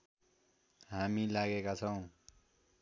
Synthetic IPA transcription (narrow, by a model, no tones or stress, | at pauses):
ɦamilaɡekat͡sʰʌw̃